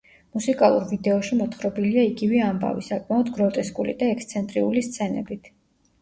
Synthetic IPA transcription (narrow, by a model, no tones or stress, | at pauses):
musikʼalˠuɾvid̪ɛɔʃimɔt̪χɾɔbiliaiɡivɛamba̰vḭsakʼmaɔd̪ɡɾɔt̪ʼɛskʼulḭd̪aɛkst̪sʰɛnt̪ʼɾiulist̪sʰɛnɛ̰bit̪ʰ